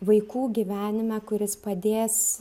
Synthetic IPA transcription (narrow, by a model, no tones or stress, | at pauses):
ʋɐɪkuːɡʲiːʋʲæːnʲɪmʲækʊɾʲɪspɐd̪ʲeːs